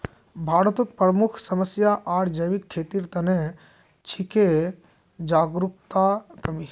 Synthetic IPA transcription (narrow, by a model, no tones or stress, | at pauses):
bʱaːɾət̪ut̪̚pɾəmukʰsəməsjaʔaɾd͡ʒəjʋikʰːeːt̪iɾt̪ɐne | t͡ʃʰike | d͡ʒaːɡɾup̚t̪akəmi